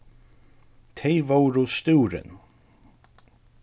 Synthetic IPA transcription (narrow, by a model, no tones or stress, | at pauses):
t̪ʰeɪvowɾust̪uːɾɪ̰n